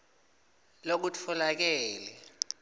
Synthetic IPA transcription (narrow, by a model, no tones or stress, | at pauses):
lok̬ut͡fʰɔlak̬ɛːlɛ